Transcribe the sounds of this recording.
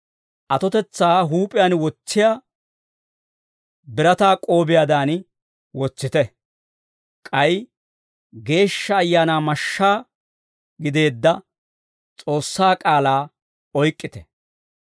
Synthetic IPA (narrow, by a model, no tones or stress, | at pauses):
ʔɐt̪ɔt̪ɛt͡sːaːɦuːpʼɪjaːnwɔt͡sːɪja | bɪɾɐt̪aːkʼo̞ːbɪjad̪aːn | wɔt͡sːɪt̪ɛ | kʼɐj | ɡe̞ːʃːɐːjːaːnaːmɐʃːaː | ɡɪd̪e̞ːd̪ːɐ | t͡sʼo̞ːsːaːkʼaːlaː | ɔjkʼːɪt̪ɛ̥